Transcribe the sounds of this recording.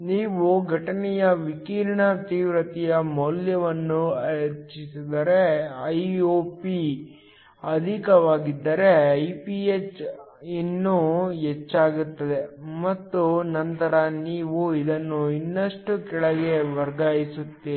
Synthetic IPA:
niːʋuɡʱɐʈɐnɛjɐʋikiːɾɐɳɐt̪iːʋɾɐt̪ijɐmɐljɐʋɐnːuɐɾt͡ʃisid̪ɐɾe̞ɐjoːpi | ɐd̪ʱikɐʋaːɡid̪ːɐɾe̞ɐjpiet͡ʃ | inːuet͡ʃːaːɡut̪ːɐd̪e̞mɐt̪ːunɐnt̪ɐɾɐniːʋuid̪ɐnːuinːɐʂʈukɛɭɐɡe̞ʋɐɾɡaːjisut̪ːe

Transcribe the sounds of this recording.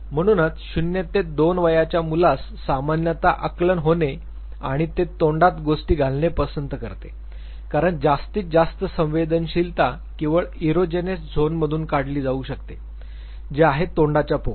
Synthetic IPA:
m̤əɽ̃uːnat͡sɕunjet̪ːed̪onʋəjat͡ɕjamulasːamanjət̪aʔəklənɦone | a̰ɽ̃it̪et̪oɳɖat̪ɡosʈiːɡʱalnepəsənt̪əkəɾt̪ḛ | kaɾəɳd͡zast̪iːt͡s̚d͡zast̪əsə̃ʋed̪ənɕilt̪a | kĩw̃ʋəɭiɾod͡ʑenesd͡zʱonməd̪ʱuːnkaɽliːd͡zauːɕəkt̪e | d͡ʑeaɦet̪ːoɳɖat͡ɕjapo̰k

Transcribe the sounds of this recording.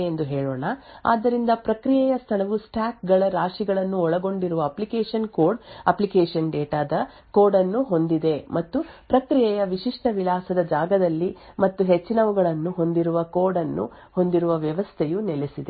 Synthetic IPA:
end̪uɦɛːɭoːɳɐa̰ːd̪ːɐɾind̪ɐpɾɐkɾijɛjɐst̪ʰɐɳɐʋusʈʰaːkɡɐɭɐɾaːʂiɡɐɭɐnːuɔɭɐɡo̞ɳɖiɾuʋɐːplikeːʂɐnkoːɾɖɐplikeːʂɐnɖeːʈaːd̪ɐ | koːɾɖɐnːuɦo̞nd̪id̪e̞mɐt̪ːupɾɐkɾijɛjɐʋiʃiʂʈɐʋilaːsɐd̪ɐd͡ʒaːɡɐd̪ɐlːimɐt̪ːuɦet͡ʃːinɐʋuɡɐɭɐnːuɦo̞nd̪iɾuʋɐkoːɾɖɐnːṵho̞nd̪iɾuʋɐʋjɐʋɐst̪ʰejunelesid̪e

